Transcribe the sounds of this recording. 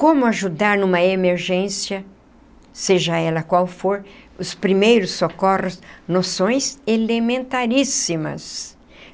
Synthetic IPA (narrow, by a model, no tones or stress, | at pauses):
kõmʊaʒud̪aɾnũmɐemeɾʒẽsjɐ | seʒɐɛlɐkwawfoɾʊspɾimejɾʊsːokɔrõsnosõj̃zelemẽnt̪aɾisimɐ̰s